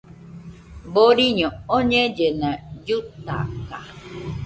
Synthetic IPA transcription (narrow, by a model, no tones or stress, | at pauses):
boɾiɲɔ̃oɲẽd͡ʒenãjut̪a̰ka̰